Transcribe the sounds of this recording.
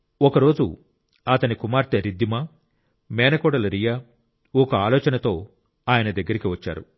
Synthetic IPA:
ɔkɐɾo̞ːd͡ʒṵ | ɐt̪ɐnikumaːɾt̪eɾid̪ːimaː | mɛːnɐkɔːɽɐlɐɾija | ɔkɐaːlɔːt͡ʃɐnɐt̪o̞ː | aːjɐnɐd̪ɐɡːɐɾikiʋɐt͡ʃːa̰ːɾu

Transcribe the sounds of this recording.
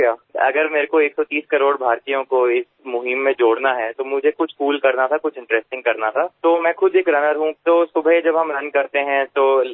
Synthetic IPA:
jaːɐ̰ɡəɾmeːɾekoeːksɔt̪iːskɐɾoːɽbʱaːɾt̪ijõkoɪs | mʊɦɪmːẽd͡ʒoːɽnaɦɛt̪omʊd͡ʒʱekʊt͡ʃʰkuːlkɐɾnat̪ʰakʊt͡ʃʰɪ̃ɳʈɾɛːsʈɪ̃ŋɡkɐɾnat̪ʰaːt̪oːmɛ̃ːxʊd̪eːkɾɐnəɾɦũt̪oːsʊbəd͡ʒɐbɦɐmɾɐn̚kɐɾt̪eɦɛ̃t̪oː

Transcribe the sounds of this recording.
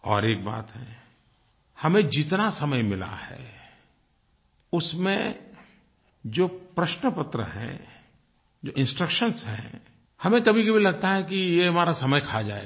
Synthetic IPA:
ɔ̰ːɾeːk̚ba̰ːt̪ɦɛ̰̃ | hɐmẽd͡ʒɪt̪nasɐməjmɪla̰hɛ̰ː | ʊsmḛ̃ | d͡ʒoːpɾɐʃnəpət̪ɾə̰ɦɛ̰̃ | d͡ʒoːʔɪ̃nsʈɾəkʃənsɦɛ̰̃ | hɐmẽkɐbʱikɐbʱilɐɡ̚t̪aɦɛkijeɦɐmaːɾasɐməjkʰad͡ʒa̰ːḛ

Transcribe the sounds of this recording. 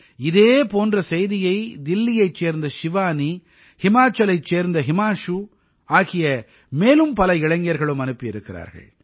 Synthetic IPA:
ɪðeːpoːndrɐsɛjðɪjɐɪd̪ɪlːɪjɐɪt͡ʃːeːɾnd̪ɐʃɪʋaːni | hɪmaːt͡ʃːɐlɐɪt͡ʃːeːɾnd̪ɐɦɪmaːʂu | aːɣɪjɐ | meːlɯmpɐlɐɪɻɐŋɡɪjɐɾɣɐɭɯmɐnɯpːiɪɾɯkːɪra̰ːɾɣɐ̰ɭ

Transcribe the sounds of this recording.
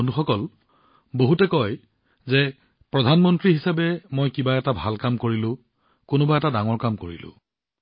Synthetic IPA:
onduxɔkɔl | boɦutɛkɔj | zɛ | pɹɔdʱanmɔntɹiɦisabɛmojkibaɛtabʱalkamkoɹilʊ̃ | konʊbaɛtadaŋɔɹkamkoɹḭlʊ̰̃

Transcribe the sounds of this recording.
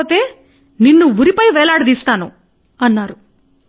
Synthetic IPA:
t̪e̞ː | ninːuʋuɾipɐjʋɛːlaːɽɐd̪iːst̪aːnu | ɐnːaːɾu

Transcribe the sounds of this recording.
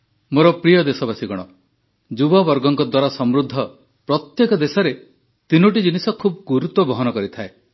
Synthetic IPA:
moɾɔpɾijɔd̪esɔbasiɡɔɽ̃ɔ | d͡ʒubɔbɔɾɡɔŋkɔd̪waɾasɔmɾud̪ʱːɔ | pɾɔt̪jekɔd̪esɔɾe | t̪inuʈ̬id͡ʒinisɔkʰubɔɡuɾut̪ɔbɔɦɔnɔkɔɾit̪ʰae

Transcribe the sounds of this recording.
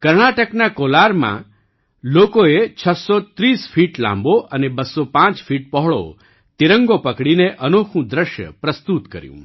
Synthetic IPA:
kəɾɳaʈəknakolaɾmã̰ | lokoet͡ʃʰəsːɔt̪ɾisfʰiʈlã̰mboʔənebəsːopãt͡ʃfiʈ̚pɔɦɭo̰ | t̪iɾəŋɡopəkɽineʔənokʰũd̪ɾəʃjə̰pɾəst̪ut̪kə̰ɾjṵ̃

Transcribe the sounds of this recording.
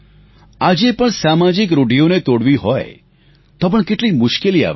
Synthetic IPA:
ad͡ʒepəɳsamad͡ʒɪkɾoɖijonet̪oɽʋiɦoj | t̪op̬əɳkeʈlimʊʃkelia̰ʋ

